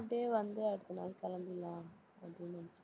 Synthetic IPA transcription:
ʈeːʋɐnd̪ɯɐɽɯt̪ːɐnaːlkɐlɐnd̪ɪlːãː | ɐpɽɪnɐ

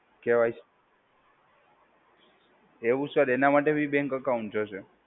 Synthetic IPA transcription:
keʋajt͡ʃ | eʋũsəɾenamaʈebʱibɛ̃ŋkəkauɳt͡ʃət͡ʃʰe

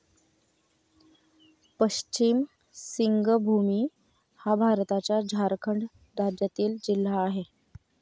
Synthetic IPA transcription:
pəɕt͡ɕiːm | siŋɡəbʱumiː | habʱaɾt̪at͡ɕjad͡ʑʱaɾkʰəɳɖ | d̪ad͡ʑjat̪iːld͡ʑil̤ːaːɦe

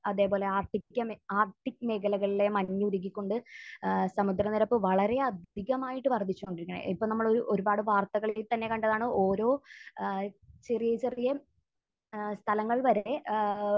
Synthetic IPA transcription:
ɐðe̞ːpo̞ːleaːrʈikkʲːɐmaːrʈːikːɨmeɡɐlɐɣɐɭile̞mɐɲːɨuɾuɣːikʲːo̞ɳɖɨ | sɐmud̪ɾɐniɾɐpːɨʋɐɭɐɾe̞ɐd̪ʱiɣɐmaːjiʈːɨʋɐrd̪ʱit͡ɕːuo̞ɳɖiɾikʲːɐɳɐ̰ipːoːnɐmːɐɭoɾuʔo̞ɾubaːɽɨʋaːrt̪ɐɣɐɭilt̪ɐnːe̞kɐɳɖɐðaːɳɨoːɾo̞ː | t͡ɕe̞rijɐt͡ɕerijɐ | st̪ʰɐlɐŋːɐɭʋɐɾe̞

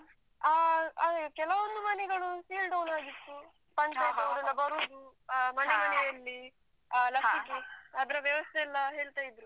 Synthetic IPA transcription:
aɐkɛlɐʋond̪umɐnɛɡɐɭusiːlɖɐwnaːɡit̪ːu | pɐɳʈɐjt̪ɐʋɐɾinːɐbɐɾuːd̪umɐnɛmɐɛjɐlːi | lɐkiɡeɐd̪ɐɾɐʋjɐʋɐst̪ʰɛːlːɐɦe̞ːɭt̪aːjid̪ɾu

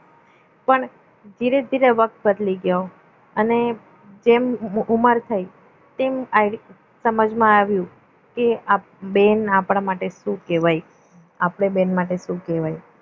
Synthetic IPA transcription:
pəɳ | d͡ʒiɾed̪ʱiɾeʋək̚t̪̚bəd̪liɡjo | əne | d͡ʒemuməɾt̪ʰəj | t̪ema | səməd͡ʒmãaʋjũ | kea | benapɽ̃amaʈeʃũkeʋaj | apɽ̃ebenmaʈeʃũkeʋaj

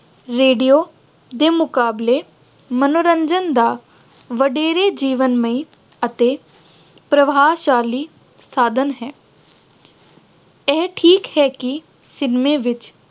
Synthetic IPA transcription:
ɾeːɖijoː | d̪eːmʊkaːbleː | mənoːɾə̃ɲd͡ʒənd̪aː | ʋəɖeːɾeːd͡ʒiːʋənmẽi | ət̪e | pɾəʋaːʃaːliː | saːd̪ʱənɦɛː | ɛːʈʰiːkhɛːki | sɪnmẽːʋɪt͡ʃ

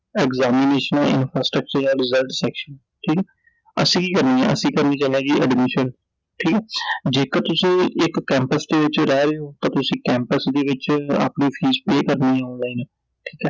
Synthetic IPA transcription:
ɛːkzaːmɪneːʃənaɪ̰npʰɾaːsʈɾək̚t͡ʃəɾjãːɾɪzəlʈsɛːkʃən | ʈʰiːkɛ | ə̰sĩːkiːkəɾniːɦɛ̰̃ːə̰sĩːkəɾniːd͡ʒãːnẽːd͡ʒiːʔə̰ɖmɪʃən | ʈʰiːkɛːd͡ʒeːkət̪ʊsĩːɪkːɛ̃ːmpəsd̪eːʋɪt͡ʃɾɛːɾeoːt̪ãːt̪ʊsĩːkɛ̃ːmpəsd̪eːʋɪt͡ʃa̰ːpniːpʰiːzpeːkəɾniːɛ̃ɔ̃ːnlaːiːnɛ | ʈʰiːkɛː

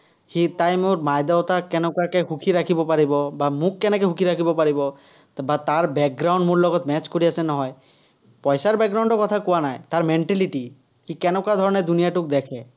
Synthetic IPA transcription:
hit̪ajmoɾmajd̪awt̪akɛnɔkakeɦukʰiɾakʰibɔpaɾibɔbamukːɛnɛkeɦukʰiɾakʰibɔpaɾibɔ | bat̪aɾbɛk̚ɡɾaw̃ɳɖmoɹlɔɡɔt̪mɛt͡ʃkoɾiasenɔɦɔj | pɔjsaɾbɛk̚ɡɾaw̃ɳɖɔkɔt̪ʰakɔwanajt̪aɹmɛɳʈɛliʈi | hikɛnɔkad̪ʱɔɹɔned̪unijaʈuk̚d̪ɛkʰɛ

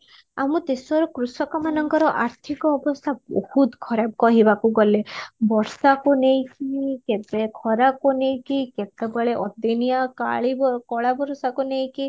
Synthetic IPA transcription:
amũt̪esɔɾɔkɾusɔkɔmanɔŋkɔɾɔʔaɾt̪ʰikɔːbɔst̪ʰabɔ̰hut̪kʰɔɾab̚kɔɦibakuɡɔlebɔɾsakunejkikebekʰɔɾakonejkiket̪ebeɭeʔɔd̪inijaka̰ɭibɔkɔɭabɔɾsakunej̃ki

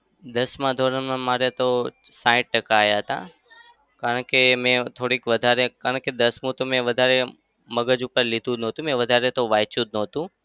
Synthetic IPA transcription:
d̪əsmãd̪ʱoɾəmãmaɾet̪osãĩʈ̚ʈəkaːjaɦət̪a̰ | kaɾəɳkemɛ̃t̪ʰoɽikʋəd̪ʱaɾekaɾəɳked̪əsmũt̪omɛ̃ʋəd̪ʱaɾe | məɡəd͡ʒupəɾlid̪ʱũnɔ̃t̪ũmɛ̃ʋəd̪ʱaɾet̪oʋajt͡ʃũd̪̚nɔ̃t̪ũ

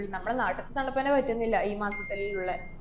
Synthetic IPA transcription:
ɭːnɐmːɐɭenaːʈːɐt̪ːɨt̪ɐɳːɐpːɐnepɐtːunːilːɐiːmaːsɐt̪ːɐlejuɭːɐ

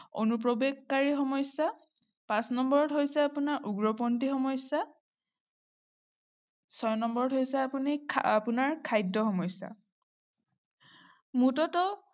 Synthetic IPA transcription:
onupɹɔbeɡkːaɹixɔmɔjsːa | pãsnɔmbɔɹɔtɦojsɛapunaɹʔuɡɹɔpɔntixɔmɔjsa | sɔjnɔmbɔɹɔtɦojsɛapuniapunaɹkʰajdːɔxɔmɔjsa̰ | mutɔtɔ

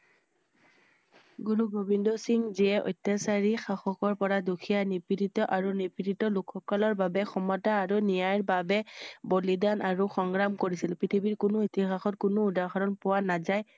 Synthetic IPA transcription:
ɡuɹubʱobindɔsiŋziɛʔɔ̰jtːɛsaɹixaxɔkɔɹpɔɹadukʰijanipiɾitɔʔaɹunipititɔlukʰːɔkɔlɔɹbabɛxɔmɔtaːɹunijajɹbabɛbolidanʔaɹuxɔŋɡɹamkoɹisilpɹitʰibiɹkʊnʊitixaxɔt̚kʊnʊːdaɹxʰaɹɔnpʊwanazaj

